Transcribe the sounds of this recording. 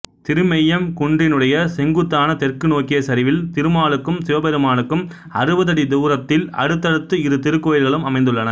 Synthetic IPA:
t̪ɪɾɯmɛjːɐmkʊɳɖɪnɯɽɐjɐsɛŋɡɯt̪ːaːnɐt̪ɛrkɯnoːkːɪjɐsɐɾɪʋɪlt̪ɪɾɯmaːɭɯkːɯmsɪʋɐbɛɾɯmaːnɯkːɯm | ɐ̰ɾɯbɐðɐɽid̪uːɾɐt̪ːɪlɐ̰ɽɯt̪ːɐɽɯt̪ːɯɪɾɯt̪ɪɾɯkːoːjɪlɣɐɭɯmɐmɐɪnd̪ɯɭːɐnɐ

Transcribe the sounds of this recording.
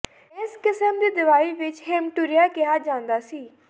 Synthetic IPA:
ɪskɪsəmd̪iːd̪ɪʋaːiːʋɪt͡ʃɦemʈuɾijaːkɪɦaːd͡ʒãːnd̪aːsiː

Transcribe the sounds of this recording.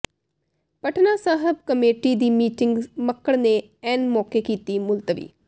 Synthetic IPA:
pəʈʰnaːsaːɦəb̚kəmeːʈiːd̪iːmiːʈɪŋɡməkːəɽneː | ɛːnmɔːkekiːt̪iːmʊlt̪əʋḭː

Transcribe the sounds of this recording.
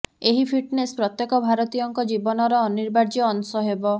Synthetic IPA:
eɦipʰiʈnespɾɔt̪jekɔbʱaɾɔt̪ijɔŋkɔd͡ʒibɔnɔɾɔːniɾbaɾd͡ʒiɔːnsɔɦebɔ

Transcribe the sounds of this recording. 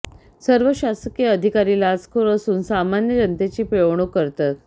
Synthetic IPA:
səɾʋəɕaskijəəd̪ʱikaɾilad͡zkʰoɾəsuːnsamanjəɾənt̪et͡ɕiːpeʋɳ̃okəɾt̪at̪̚

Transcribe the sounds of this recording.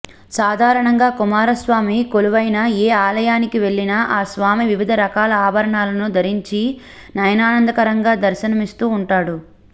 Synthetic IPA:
saːd̪ʱaːɾɐɳɐŋɡaːkumaːɾɐsʋaːmikoluʋɐjnɐeːaːlɐjaːnikiʋe̞ɭːinɐʔaːsʋaːmiʋiʋid̪ʱɐɾɐkaːlɐaːbʱɐɾɐɳaːlɐnud̪ʱɐɾiɲt͡ʃi | nɐjɐnaːnɐnd̪ɐkɐɾɐŋɡaːd̪ɐɾʃɐnɐmist̪uːɳʈaːɽu

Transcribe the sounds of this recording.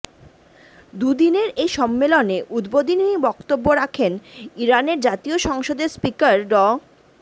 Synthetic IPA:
d̪ud̪ineɾejʃɔmːeloneʔud̪bod̪inibɔkt̪obːoɾakʰeniɾaneɾd͡ʑat̪ioʃɔŋʃod̪eɾspikaɾɖɔ

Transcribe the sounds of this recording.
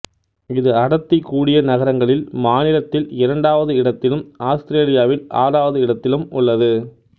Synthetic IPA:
ɪðɯɐɽɐt̪ːɪkːuːɽɪjɐnɐɣɐɾɐŋɡɐɭɪlmaːnɪɾɐt̪ːɪlɪɾɐɳɖaːʋɐðɯɪɽɐt̪ːɪlɯmaːst̪ɪɾeːlɪjaːʋɪla̰ːɾaːʋɐðɯɪɽɐt̪ːɪlɯmʊɭːɐðɯ

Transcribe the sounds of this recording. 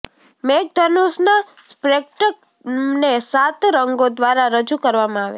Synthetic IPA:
mek̚d̪ʱənusna | spɾek̚ʈək̚ | nesat̪ɾəŋɡod̪ʋaɾaɾəd͡ʒukəɾʋamãaʋḛ

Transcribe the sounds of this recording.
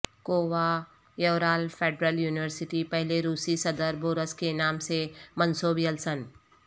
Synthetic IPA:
koːʋa | jɐʋɾaːlpʰeːɖɾəljuːnɪʋəɾsɪʈipɛɦleɾuːsisɐd̪əɾboːɾəskenaːmsemə̃nsoːbjəlsən

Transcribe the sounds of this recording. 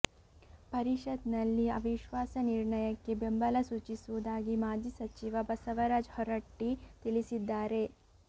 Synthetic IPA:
pɐɾiʃɐd̪nɐlːiɐʋiʃʋaːsɐniɾɳɐjɐkːe̞bembɐlɐsuːt͡ʃisuud̪aːɡimaːd͡ʒisɐt͡ʃiʋɐbɐsɐʋɐɾaːd͡ʒhɔɾɐʈːit̪iɭisid̪ːaːɾe̞

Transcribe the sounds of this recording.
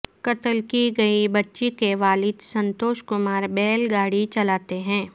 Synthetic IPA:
kɐt̪əlkiɡɐibɐtːʃikeʋaːlɪd̪sɐ̃nt̪oːʃkʊmaːɾbɛːlɡaːɽit͡ʃɐlaːt̪eɦɛ̃ː

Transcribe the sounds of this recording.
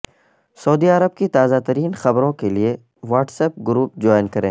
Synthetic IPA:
sɐːd̪iɐɾəb̚kit̪aːzat̪əɾiːnxɐbɾõkelie | ʋaːʈsɛːp̚ɡʊɾuːp̚d͡ʒɔːɪnkɐɾḛ̃ː

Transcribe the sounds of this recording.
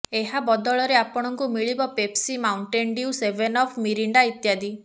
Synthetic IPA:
eɦabɔd̪ɔɭɔɾeapɔɽ̃ɔŋkumiɭibɔpepsimawɳʈeɳɖiusebenɔpʰmiɾiɳɖait̪jad̪i

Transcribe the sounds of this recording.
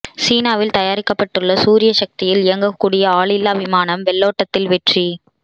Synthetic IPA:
siːnaːʋɪlt̪ɐjaːɾɪkːɐpːɐʈːɯɭːɐsuːɾɪjɐʃɐk̚t̪ɪjɪlɪjɐŋɡɐkːuːɽɪjɐaːɭɪlːaːʋɪmaːnɐmʋɛɭːoːʈːɐt̪ːɪlʋɛʈri

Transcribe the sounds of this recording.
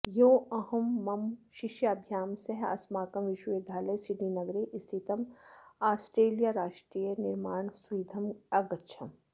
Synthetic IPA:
joːɐhɐmːɐmʃɪʃjɐɐbʱjaːmsɐɦɐ̰smaːkɐmʋɪʃeːd̪ʱaːlɐjsɪɖinɐɡɾeʔɪst̪ʰit̪ɐmaːsʈɾeːlijaɾaːʃʈɾiːjənɪɾmaːɳsʊiːd̪ʱɐmɐɡɐʃʰɐm

